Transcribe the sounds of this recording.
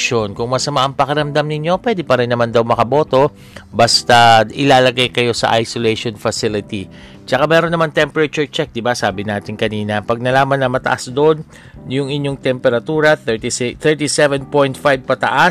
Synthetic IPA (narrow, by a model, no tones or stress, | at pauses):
ʃo̞nkʊŋmɐsɐmaʔɐŋpɐkɐɾɐmd̪amnɪɲːo̞pwɛd̪ɪpɐɾɪnːɐmand̪ɐwmɐkɐbo̞ːt̪o̞ | bɐst̪aʔɪlaːlɐɡajkɐjo̞sɐ̰ʔajsolɛjʃonfɐsɪlɪt̪i | t͡ʃɐkamɛːɾonːɐmant̪ɛmpɛɾɐt͡ʃuɹt͡ʃɛk̚d̪ɪbasaːbɪnaːt̪ɪŋkɐniːnɐpɐɡ̚nɐlaːmɐnːɐmɐt̪ɐ̰ʔasd̪oʔn | jʊŋɪɲjo̞ŋt̪ɛmpɛɾɐt̪uːɾɐθt̪θɛɹt̪isɛvɛnpojnt̪fajb̚pɐt̪ɐ̰ʔa